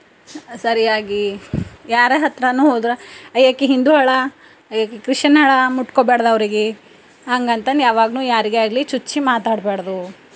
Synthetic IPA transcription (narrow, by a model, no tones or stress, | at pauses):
sɐɾijaːɡijaːɾeɦɐt̪ɾɐnuːɦoːd̪uɾɐɐjakːeɦind̪uɦɐɭɐ | ɐjakːekɾiʂʃɐnɐɭɐmuʈkobeːɽɐd̪ɐʋɐɾiɡe | ɦɐŋɡɐnt̪ɐnjaːʋaːɡnuːjaːɾiɡeaːɡlit͡ʃut͡ʃːimaːt̪aːɽbeːɽɐd̪u